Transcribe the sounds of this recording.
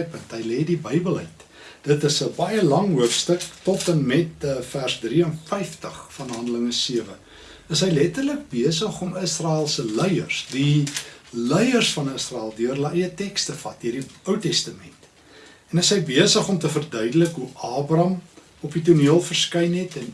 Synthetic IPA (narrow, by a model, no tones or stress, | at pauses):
jpəntɦəjleːdibəjbəlˠəjt | d̥ətəsəbɑjəlɐŋɦuəfstəktɔtənmɛtfærsdriənfɛjftəχfɐnɦɐndələŋəsiəvə | əsɦəjlɛtərlək̚biəsəχɔməsrɑːɪlˠsəlɛjərsdi | lɛjərsfɐnəsrɑælˠdyərləjətɛkstəfɐt̚iərdiəwtɛstəmɛnt | ɛnəsɦəjbiəsəχɔmtəfərdœɥdələkɦuʔɑːbrɐm | ɔpituniəlˠfərskɛjnɦɛtɛn